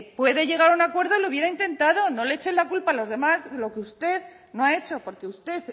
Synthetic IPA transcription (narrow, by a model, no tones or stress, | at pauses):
pwe̞ðe̞ʝe̞ɣ̞aɾunakwe̞ɾðo̞louβje̞ɾaint̪e̞nt̪aðo̞no̞leet͡ʃe̞nlakulpalo̞zðe̞mazðelo̞keust̪e̞ð | no̞ae̞t͡ʃo̞po̞ɾke̞ust̪e̞θ